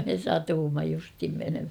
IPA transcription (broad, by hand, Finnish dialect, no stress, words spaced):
me sɑtuːmːɑ justhim menemhæ